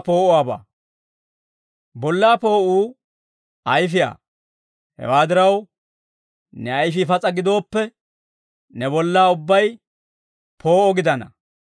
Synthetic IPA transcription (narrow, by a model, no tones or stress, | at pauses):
po̞ːʔʊaːba̰ː | bɔlːaːpo̞ːʔuː | ʔɐjfɪja̰ː | hɛ̰waːd̪ɪɾɐw | nɛɐjfifɐt͡sʼɐɡɪd̪o̞ːpːɛ | nɛbɔlːaːʊbːɐj | pʰo̞ːʔɔɡɪd̪ɐnɐ̰